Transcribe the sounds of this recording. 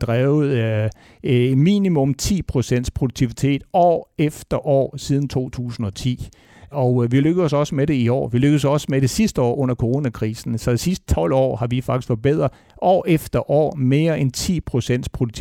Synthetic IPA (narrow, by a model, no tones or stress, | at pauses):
d̥ʁaːʊð̩ˠ | mḭːnimɔ̽mt͡sʰḭːpʰʁo̝sen̰d̥spʰʁoɾuɡ̚t͡sʰiʋit͡sʰe̝̰ːd̥ɒ̰ːefd̥ɐʔɒ̰ːsið̞ˠn̩t͡sʰo̝̰ːt͡sʰṵːsn̩ɒ̽t͡sʰḭː | ɒ̽ʊʋiløɡ̥əð̩ˠsɒ̽səmeɾe̝iɒ̰ːʋiløɡ̥ð̩ˠsɒ̽səmeɾ̥e̝sisd̥əɒ̰ːʔɔ̽n̰ɐkʰoʁo̝ːnækʰʁiːsn̩sɒ̽d̥esisd̥̚t͡sʰɒ̽l̰ɒ̰ːhɑ̈ʋifɑ̈ɡ̥isɡ̥fɒ̽b̥eð̰ˠʁɐ | ɒ̰ːefd̥ɐʔɒ̰ːme̝ːɐʔent͡sʰḭːpʰʁo̝sen̰d̥spʰʁo̝duɡ̚t͡sʰi